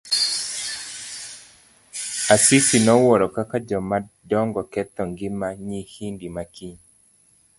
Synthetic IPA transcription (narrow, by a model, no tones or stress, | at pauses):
asisinɔwɔɾɔkakad͡ʒɔmadɔŋɡɔkɛt̪ɔŋɡɪmaɲihindimakʰiɲ